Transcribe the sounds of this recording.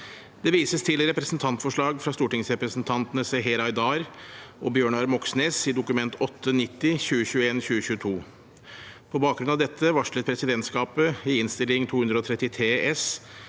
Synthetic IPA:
d̪̥ɛʋiːsəst̪ʰɪlɾɛpɾəsn̩t̪ʰɑnt̪fɔʂɭɑːɡfɾɑst̪uːʈɪŋsɾɛpɾəsnt̪ʰɑnt̪ənəsɛɦɛɾɑɪd̪ɑːɾʔɔbjøːɳɑɾmɔksneːsɪd̪ʊkʉmɛnt̪ʰɔt̪ʰːənɪt̪ːɪçʉːəçʉːəeːnçʉːəçʉːət̪ʰuː | pʰɔbɑːk̚ɡɾʉnɑʋd̪ɛt̪ʰːəʋɑʂɭət̪̚pʰɾɛsɪd̪ɛnt̪skɑːpəɪɪnst̪ɪlɪŋt̪ʰuːhʉnd̪ɾəɔt̪ʰɾɛt̪ːɪt̪ʰɾeːʔɛs

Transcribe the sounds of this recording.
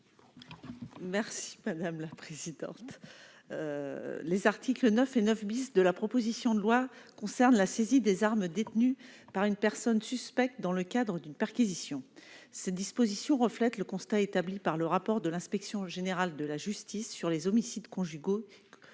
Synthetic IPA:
mɛʁsi̥mad̪amlapχezid̪ɑ̰̃t̪ | lezaʁt̪ʰiklənœfenœfbisd̪əlapχɔpozisjɔ̃d̪əlwakɔ̃sɛʁnlasezid̪ezaʁmd̪et̪nypaʁynpɛʁsɔnsyspɛk̚t̪̚d̪ɑ̃ləkʲad̪ʁəd̪ynpɛʁkʲizisjɔ̃sɛd̪ispozisjɔ̃ʁəflɛt̪ləkɔ̃st̪aet̪ablipaʁləʁapɔʁd̪əlɛ̃spɛksjɔ̃ʒeneʁald̪əlaʒyst̪isːyʁlezɔmisid̪kɔ̃ʒyɡo

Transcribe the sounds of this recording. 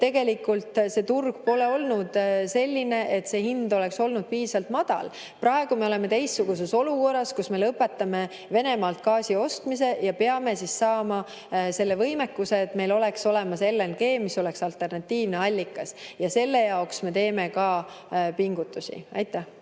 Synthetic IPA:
t̪e̞ɡ̥e̞likult̪se̞t̪urɡ̥̚po̞le̞o̞lnud̪̥se̞lʲːine̞ʔet̪se̞ːhind̪o̞le̞kso̞lnud̪̥̚piːsɑlt̪mɑd̪̥ɑ̰l | prɑe̞ɡ̥ume̞o̞le̞me̞t̪e̞jstːuɡ̥us̬e̞so̞luko̞rːɑskusme̞lɤpːˑe̞t̪ːˑɑme | ve̞ne̞mɑːlt̪̚kɑːsio̞st̪mise̞jɑpeɑme̞sissɑːmɑ | se̞lːevɤjmekːuse̞ːt̪me̞jlo̞le̞kso̞le̞mɑse̞lːenɡe̞ːmiso̞le̞ksɑlt̪ːˑe̞rnɑt̪ʲːiːvne̞ɑlʲːikːˑɑsjɑse̞lːe̞jɑoksme̞t̪e̞ːme̞kɑ | piŋɡ̥ut̪ːˑusḭʔɑjt̪ːˑæh

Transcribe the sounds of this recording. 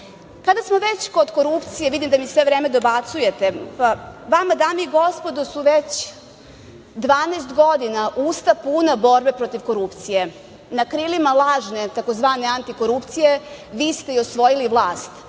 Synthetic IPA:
kad̪asmo̞ʋet͡ɕko̞d̪ko̞ɾupt̪sijeʋid̪imd̪amisʋe̞ʋɾeːmed̪o̞bat̪suje̞t̪e̞paʋamad̪aːmeiɡo̞spo̞d̪osuʋet͡ɕ | d̪ʋaːneːst̪ɡo̞d̪inaʔust̪apuːnabo̞ɾbe̞pɾo̞t̪iʋko̞ɾupt̪sije̞ | nakɾilimalˠaːʒne̞t̪ako̞zʋaːne̞ant̪iko̞ɾupt̪sije̞ʋiːst̪e̞io̞sʋo̞jiliʋlˠaːst̪

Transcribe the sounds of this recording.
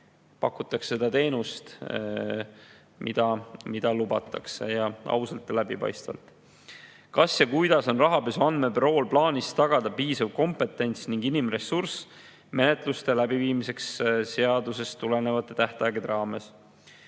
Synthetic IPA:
pɑkːˑut̪ːˑɑksːe̞d̪̥ɑt̪e̞ːnust̪ | mʔḭd̪̥ɑmid̪̥ɑlub̥ɑ̰t̪ːˑɑ̰ksḛjɑɑ̰wsɑlt̪ːˑlæbipɑ̰jst̪vɑ̰lt̪ˑ | kɑsjɑkujd̪̥ɑso̞nrɑɦɑpesuɑnd̪̥me̞bɾo̞ːlplɑːnʲist̪ɑɡ̥ɑd̪̥ɑpiːsɑvko̞mpe̞t̪ːˑe̞nʲt̪sniŋɡ̥inimre̞surs | me̞net̪ˑlust̪e̞læbiviːmise̞ksse̞ɑd̪use̞st̪ːule̞ne̞vɑt̪ːˑe̞t̪æht̪ɑjɡed̪ɾɑːme̞s

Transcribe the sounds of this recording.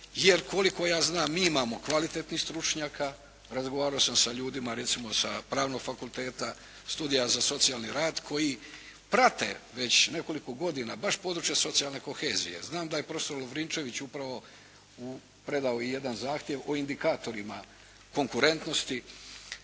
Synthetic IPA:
jeɾko̞liko̞jaːznaːmːiːimaːmo̞kʋalit̪et̪nixst̪ɾut͡ʃɲaːkʰa | ɾazɡoʋaːɾaosamsaʎuːd̪imaɾe̞t̪simo̞sapɾaːʋno̞ɡfakult̪e̞ːt̪a | st̪uːd̪ijazaso̞t̪sijaːlniɾaːd̪kʰo̞ji | pɾat̪e̞̰ʋe̞t͡ɕne̞ko̞liko̞ɡo̞d̪inabaʃpo̞d̪ɾut͡ʃjaso̞t̪sijalˠne̞ko̞xe̞ːzḭje̞̰znaːmd̪aje̞pɾo̞fe̥so̞ɾloʋɾint͡ʃe̞ʋit͡ɕupɾaʋo̞ | u | pɾe̞d̪aoije̞d̪anzaːxt̪je̞ʋo̞ind̪ikaːt̪o̞ɾima̰ | ko̞ŋkuɾe̞nt̪no̞st̪i

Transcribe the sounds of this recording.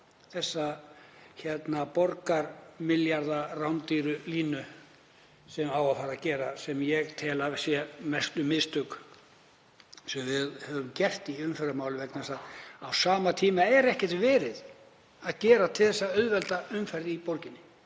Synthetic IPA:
θɛsːa | çɛt̪napɔɾkaɾmɪljaɾðarawnt̪iɾʏliːnʏ | sɛmawafaːɾacɛːɾasɛmjɛɣt̪ʰɛːlavsjɛmɛst̪ʏmɪðst̪ʏk | sɛmvɪðhɛvʏmcɛr̥t̪iʏmfɛɾamaːwlʏvɛknθɛsaðawsaːmat̪ʰiːmaɛɾɛhcɛ̥t̪vɛːɾɪð | aðcɛːɾat̪ʰɪlθɛsːaœðvɛlt̪aʏmfɛɾðɪipɔɾcɪnːɪ

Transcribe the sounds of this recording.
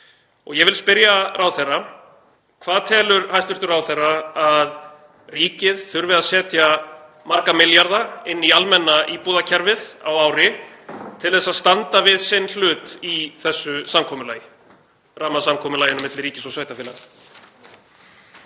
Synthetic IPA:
ɔ̰ɣjɛvɪlspɪɾjarʔawθɛrːa | kʰvaːðt̪ʰɛːlʏɾhajst̪ʏɾ̥t̪ʏɾawθɛrːaað | riːcɪðθʏɾvɪðaðsɛːt̪ja | maɾkamɪljaɾðaɪnːialmɛnːaʔiːpuːðacʰɛɾvɪða̰waːwɾɪ | t̪ʰɪlðɛsːaðst̪ant̪avɪðsɪnl̥ʏːt̪iθɛsːʏsamkʰɔːmʏlaːjɪ | raːmasamkʰɔːmʏlaːjɪnʏmɪt̪lɪriːcɪsɔsaːjt̪afɪːlan

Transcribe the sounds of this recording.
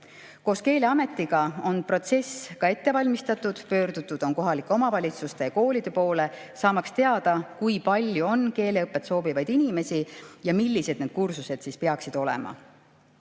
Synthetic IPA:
ko̞ːske̞ːleɑme̞t̪ːˑiɡ̥ɑo̞npro̞t̪se̞skɑe̞t̪ːe̞vɑlʲmist̪ɑt̪ud̪̥pø̞ːrd̪ut̪ːˑud̪̥o̞nko̞ɦɑlikːˑeo̞mɑvɑlʲit̪sust̪eko̞ːlid̪̥e̞po̞ːle̞ | sɑːmɑkst̪e̞ɑd̪̥ɑkujpɑlʲjuo̞nke̞ːle̞ɤpˑːet̪so̞ːbivɑjd̪̥inime̞sijɑmilʲːise̞d̪̥neːd̪̥̚kursuse̞d̪̥siːspe̞ɑksid̪̥o̞lḛmɑ̰

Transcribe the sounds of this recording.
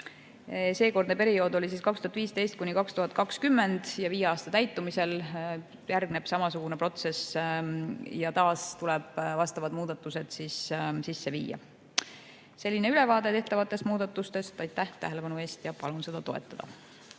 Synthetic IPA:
se̞ːko̞rd̪nepe̞ɾio̞ːd̪o̞lʲisiːskɑkst̪uhɑt̪viːst̪e̞jst̪kunikɑkst̪uɦɑt̪̚ˑkɑkskymːe̞nd̪̥jɑviːeɑːst̪ɑt̪æjt̪ːˑumise̞l | jærɡ̥ne̞b̥sɑmɑsuɡ̥une̞pro̞t̪se̞s | jɑt̪ɑːst̪ulɛb̥vɑst̪ɑvɑd̪muːd̪̥ɑt̪ːˑuse̞d̪̥sissisːe̞vḭːjɑ̰ | se̞lʲːine̞yle̞vɑːd̪e̞t̪e̞ht̪ɑvɑt̪ːˑe̞st̪muːd̪ɑt̪ːˑust̪e̞st̪ɑjt̪ːˑæht̪æ̰ɦe̞le̞pɑnueːst̪jɑpɑlunse̞d̪̥ɑt̪o̞ḛt̪ːˑɑd̪̥ɑ̰

